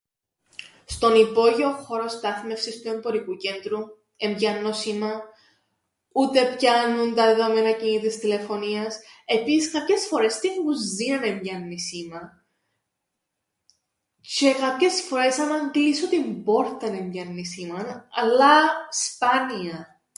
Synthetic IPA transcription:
st̪o̞nipo̞ʝio̞xo̞ɾo̞st̪ɐθme̞fsisplembo̞ɾikuce̞nd̪ɾu | e̞mbʝɐnːo̞simɐ | ut̪e̞pçɐnunt̪ɐðe̞ðo̞me̞nɐcinit̪ist̪ile̞fo̞niɐse̞pisiskɐpçe̞sfo̞ɾe̞st̪iŋɡuzːinɐnemʝɐnːisimɐ | t͡ʃe̞kɐpçe̞sfo̞ɾe̞sɐnɐŋɡlisot̪imbo̞ɾt̪ɐnemʝɐnːisimɐnɐlːɐspɐniɐ

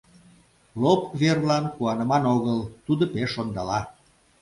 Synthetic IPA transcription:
lopβerlɑnkuɑnəmɑnoɣəlt̪ud̪opeʃond̪ɑlɑ

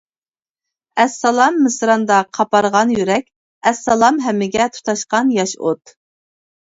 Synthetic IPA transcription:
ɛsːɑlˠɑmːɨsɾɑnd̪ɑqʰɑpɑɾʁɑnjyɾɛkʲ | ɛsːɑlˠɑmɦɛmːɪɡʲɛt̪ʰu̥t̪ʰɑʃqɑnjɑʃot̪

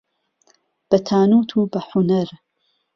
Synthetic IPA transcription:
b̥ɐt̪ʰaːnuːt̪ʰuːbɐħunɐɾ

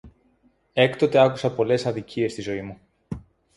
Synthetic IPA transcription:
e̞kt̪o̞t̪eɐkusɐpo̞le̞sɐðicie̞st̪izo̞imu

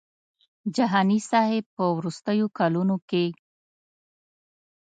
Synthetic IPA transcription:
d͡ʒaɦɑnisɑhepəwɾust̪əjokalunoke

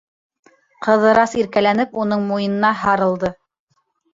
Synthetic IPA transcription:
qɤ̆ðɤ̆ɾɑsiɾkælænɘpunɤɴmujɤ̆nɤ̆nɑɦɑɾɤ̆lˠd̪ɤ

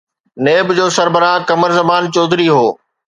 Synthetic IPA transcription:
neːbd͡ʑoːsɐɾbəɾakɐməɾzɐbaːnt͡ɕɔːd̪ʱɪɾiɦoː

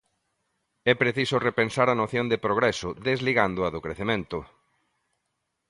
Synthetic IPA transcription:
ɛpɾeθisʊrepensaɾɐnoθjond̪ɪpɾoɣɾɛsʊðezliɣand̪ʊɐðʊkɾeθemẽnt̪ʊ

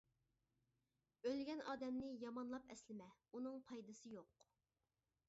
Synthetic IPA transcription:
ølɡʲɛnɑːd̪ɛmnɪjɑmɑnlˠɑpɛslɪmɛunɨŋpʰɑjd̪ɨsɨjoq

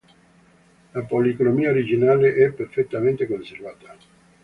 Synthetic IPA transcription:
lapolikonomiaoɾid͡ʒinaːleʔɛpːerfet̪ːament̪ekonservaːt̪a

